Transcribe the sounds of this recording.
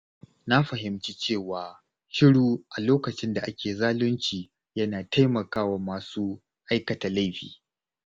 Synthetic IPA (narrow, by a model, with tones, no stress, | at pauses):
na˦ɸɐ˨ɦɪ˨mt͡ʃi˦t͡ʃeː˦˨waː˨ | ʃɪ˦ɽuː˨ʔa˨loː˦kɐ˨t͡ʃɪ˦nda˨ʔa˦kʲeː˨zaː˦lʊ˦nt͡ʃiː˨ | jɐ˦naː˨tʰa˦jmɐ˨kaː˦wa˨maː˨suː˦ | ʔa˦jkɐ˨ta˨la˦jɸḭː˨